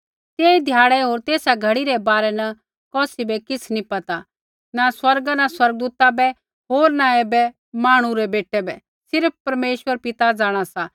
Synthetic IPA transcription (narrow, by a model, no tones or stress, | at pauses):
t̪eːid̪ʱjaːɭɛɦoːɾt̪eːsaɡʱɐɽiɾɛbaːɾɛnɐ | kɔːsibɛkɪt͡sʰnipɐt̪a | naswɐɾɡanaswɐɾɡ̚d̪uːt̪abɛ | ɦoːɾnaeːbɛ | maːɽ̃ũɾɛbeːʈːɛbɛ | sɪɾp̚ʰpɐɾmeːʃwəɾpɪt̪ad͡zaːɽ̃asa